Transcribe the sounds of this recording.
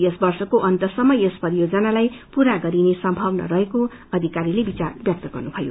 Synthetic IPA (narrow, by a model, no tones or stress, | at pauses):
esbʌrsʌkoʔʌnt̪ʌsʌmːʌjʌspʌɾijod͡zʌnalajpuɾaɡʌɾinesʌmbʱʌwnʌ̰ɾʌɦeko | ʌd̪ʱikaɾilebit͡sa̰rbjʌk̚t̪ʌɡʌrnubʱʌjo̰